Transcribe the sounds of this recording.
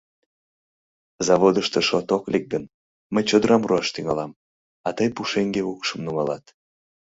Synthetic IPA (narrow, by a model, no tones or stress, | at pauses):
zɑβod̪əʃt̪əʃot̪oklek̚ɡən | məjt͡ɕod̪əɾɑmruɑʃt̪yŋɑ̰lɑm | ɑt̪əjpuʃeŋɡeukʃəmnuŋɑlɑt̪